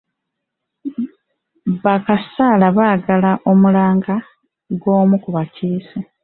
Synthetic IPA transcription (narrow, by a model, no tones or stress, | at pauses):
βakasaːlaβaːɡalaʔo̞mulaːŋɡa | ɡwo̞ːmukuβaciːsi